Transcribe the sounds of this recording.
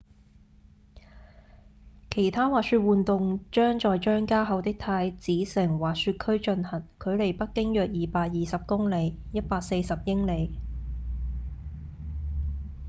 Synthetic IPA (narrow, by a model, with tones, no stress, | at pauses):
kʰe˨˩jt̪ʰaː˥waː˨k̚syː˧t̚wuː˨nt̪ʊ˨˧ŋt͡ʃœː˥ŋt͡ʃɔː˨jt͡ʃœː˥ŋkaː˥ɦɐ˨˧wt̪ɪ˥k̚t̪ʰaː˧jt͡siː˨˥sɪ˨˩ŋwaː˨˩k̚syː˧t̚kʰɵ˥ɥt͡ʃɵ˧nhɐ˨˩nkʰɵ˨˧ɥle˨˩jpɐ˥t̚kːɪ˥ŋjœː˨k̚jiː˨paː˧k̚jiː˨sɐ˨p̚kʊ˥ŋle˨˧jjɐ˥t̚paː˧k̚se˧jsɐ˨p̚jɪ˥ŋle˨˧j